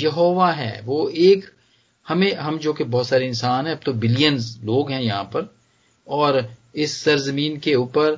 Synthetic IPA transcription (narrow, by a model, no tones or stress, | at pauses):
jɐɦoːʋaɦɛ̰ːʋoːeːk | hɐmẽɦɐmd͡ʒoːkebɔːt̪saːɾeɪnsaːnɦɛ̃ɐb̚t̪obɪlijənzloːɡɦɛ̃jɐɦã̰ːpɐɾ | ɔːɾɪsːɐɾzəmĩːnkeuːpəɾ